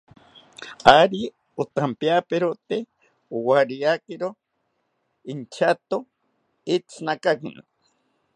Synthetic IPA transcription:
aɾi | ot̪ampjapeɾot̪e | uwaɾijakiɾo | int͡ʃʰat̪o | it͡sʰnakakino̰

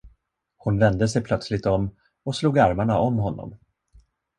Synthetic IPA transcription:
hʊnvɛnd̪əs̬ɛjpʰlœt̪slɪt̪ɔmː | ɔsluːɡaɾmaɳaʔɔmːɦɔnːɔ̰m

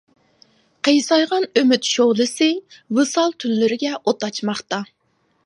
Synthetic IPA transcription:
qʰejsɑjʁɑnømyt̪ʃoʁlˠɨsɨvɨsɑlˠt̪ʰynːɪɾɪɡʲɛʔot̪ɑt͡ʃmɑχt̪ɑ

